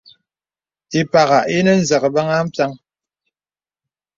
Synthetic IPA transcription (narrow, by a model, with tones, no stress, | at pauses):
ti˨pa˨ɣa˨ʔi˦nə˦n̩˨zə˨kə˨ba˦ŋa˦m̩˦pja˦ŋ